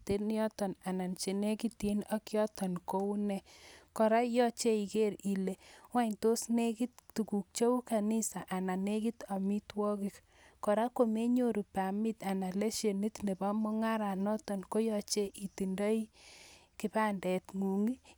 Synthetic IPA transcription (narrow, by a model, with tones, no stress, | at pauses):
te˦njɔ˦tɔ˨na˨na˨nt͡ʃe˨ne˦ki˦ti˦na˦kjɔ˦tɔ˨nko˦u˦nɛ˨kɔ˨ɾa˦jɔ˦t͡ʃe˦i˨ke˦ɾi˨le˨wa˦ɲto˦sne˦ki˦t̚tu˨ku˨k̚t͡ʃo˦u˦ka˨ni˦sa˨ʔa˨na˨ne˦ki˦ta˨mi˦twɔ˦ki˨k | kɔ˨ɾa˦ko˦me˦ɲo˦ɾu˨pa˨mi˦ta˨na˨le˦ʃe˨ni˦tne˨ba˦mo˦ŋa˦ɾa˨nɔ˦tɔ˨nko˦jɔ˨t͡ʃe˦ʔi˨ti˨ndɔ˦i˦ki˦pa˦ndɛ˨tŋu˨ŋi˦